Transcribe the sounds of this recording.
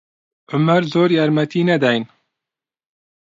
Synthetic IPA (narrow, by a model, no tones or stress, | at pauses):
ʕʊmæɾzoːɾjɑːɾmɛt̪ʰiːnɛd̪ajn